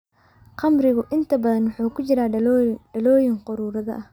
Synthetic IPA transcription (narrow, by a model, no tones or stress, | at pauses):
qɑmrɪɣʊʔɪnt̪ʰɐbɐðɐnwʊħuːkʰʊt͡ʃɪɾaːɖɐlɔːjɪŋqʊɾuːɾɐðɐ̰ʔɐh